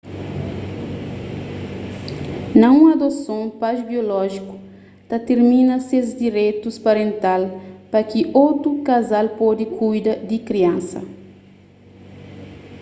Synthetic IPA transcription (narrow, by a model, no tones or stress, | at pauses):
nɐ̃ũɐd̪osõpaʒbiolɔʒiku̥ | t̪ɐt̪eɾmĩnɐsezd̪iɾejt̪uspaɾẽnt̪alpɐkiʔowt̪ɾukazalpɔd̪ikʰujd̪ɐd̪ikɾiɐ̃nsɐ̰